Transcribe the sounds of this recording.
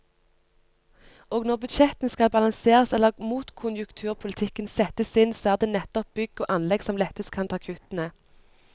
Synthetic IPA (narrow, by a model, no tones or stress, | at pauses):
oːɡnɔʁbʉd̪ʃɛt̪nskɑlbɑlɑnseːʁəsɛləʁmuːt̪kʰʊnjʉkt̪ʰʉːʁpʰʊlɪt̪ʰɪkənsɛt̪əsɪnsɔæːʁd̪eːnɛt̪ɔp̚b̥ʏɡoːʔɑnlɛɡsɔmlɛt̪əskʰɑnt̪ʰɑːkʰʉt̪nə